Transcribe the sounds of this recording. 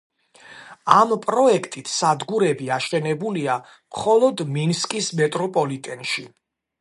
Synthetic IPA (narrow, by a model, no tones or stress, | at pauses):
ampʼɾɔɛkʰt̪ʼit̪ʰsad̪ɡuɾɛbiaʃɛnɛbulia | mχɔlˠɔd̪minskʼismɛt̪ʼɾɔpʼɔlit̪ʼɛnʃi